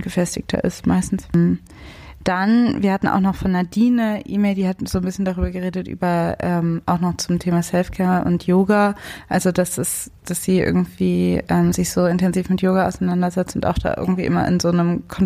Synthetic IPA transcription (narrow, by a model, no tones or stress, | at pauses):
ɡ̥əfɛstɪçtʰɐ̰ʔɪ̰stma̰ɪstn̩sm̩ | d̥anviːɐhatn̩ʔa̰ʊxnɔχfɔnːadiːnəʔḭːmeːldiːhatz̥oːnbɪsçəndaʁyːbɐɡəʁeːdətʔy̰ːbɐʔɛːmʔaʊxnɔχt͡sʊmtʰeːmasɛlfkʰɛːɐʔʊ̰ntʰjoːɡaʔalzodasd̥as | d̥asz̥iːʔɪ̰ɐɡŋ̩tv̥iːʔɛːmzɪçz̥oːɪntʰɛnziːfmɪtjoːɡaa̰ʊsaɪnandɐzɛt͡stʊnta̰ʊxd̥a̰ːʔɪ̰ɐɡŋ̩tv̥ḭːʔɪmɐ̰ʔɪ̰nzoːnəmkʰɔn